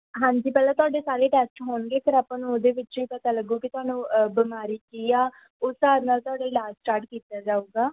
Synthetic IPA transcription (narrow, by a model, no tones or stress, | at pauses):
ɦãːɲd͡ʒiːpɛːlaːt̪ʊaːɖeːsaːɾeːʈɛːsʈɦoːɳɡeːkʰəɾaːpãːnũod̪eːʋɪt͡ʃʋiːpət̪aːləɡuːkɪt̪ʊaːnũːbɪmaːɾiːkiːaː | ʊsaːɾnaːlt̪ʊaːɖaːlaːsʈaːɾʈkiːt̪aːd͡ʒaːuːɡaː